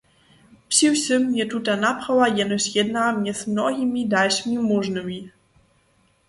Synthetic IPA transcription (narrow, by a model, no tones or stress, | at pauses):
pɕʲiwsʲɨmːɲʲɛt̪ut̪anapxawajɛnɔsʲjɛd̪̚namɲʲɛzmnɔɣʲimʲid̪alʲʂmʲimuʐnɨmʲi